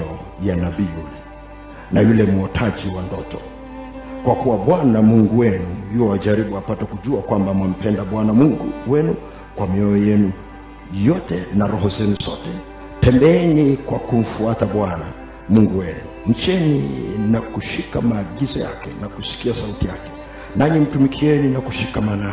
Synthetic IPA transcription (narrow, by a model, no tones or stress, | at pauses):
ɔjanaɓiːulɛ | najulɛmuɔtʰaʄiwandɔtʰɔ | kwakuwaɓwanamuŋɡuwɛnuhiɔwaʄaɾiɓuapatakuʄuakwambamam̩pɛndaɓwanamuŋɡṵwɛnu | kwamiɔɔjɛnu | jɔtɛnaɾɔhɔzɛnusɔtɛ | tɛmbɛɛnikwakum̩fuataɓwana̰ | muŋɡuwɛnu | ɲ̩t͡ʃɛnḭnakuʃikamaːɡizɔja̰kɛ̰nakusi̥kiasautijakɛ̥ | naɲim̩tumikʰiɛninakuʃikamana